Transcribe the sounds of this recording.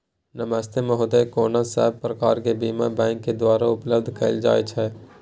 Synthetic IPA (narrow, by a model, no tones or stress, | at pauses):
nəməst̪ʰemẽɦʊd̪əkoːnasaɦɛbpɾəkaːɾkebiːmabɛ̃ːŋkːed̪waːɾaʊpləbd̪ʱkəld͡ʒa̰ːet͡ʃʰɦɛː